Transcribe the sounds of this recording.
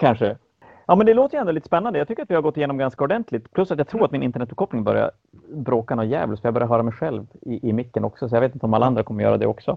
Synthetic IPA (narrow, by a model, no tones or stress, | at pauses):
kʰanʂə | jɑːmɛnd̪ɛloːt̪əjɛnd̪ʊliːt̪ə̥spɛnːand̪jaɡt̪ʏkːɾat̪vɪhaɾɡɔt̪ːɪjeːnɔmɡanskaɔɖɛnt̪ʰlɪt̪pʰlɵsːat̪jɑɡt̪ʰɾuːɾat̪mɪnɪnt̪əɳɛt̪̚ːbkʰɔpnɪŋbœ̰ɾja̰ | bɾoːkanɔjɛ̰ːvəlsɔɾjaːɡbœɾjaɾɦœːɾamɛjɧɛlvɪʔɪmɪkːənɔksɔsɔjɑɡveːt̪ɪnt̪ɔmalːaand̪ɾakʰɔmːəɾjœ̰ːɾa̰d̪ɛ̰ɔksɔ̰